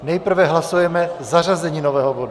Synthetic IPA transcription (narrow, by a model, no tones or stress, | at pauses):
nɛjpr̩vɛɦlasujɛmɛzarazɛɲiːnovɛːɦobodu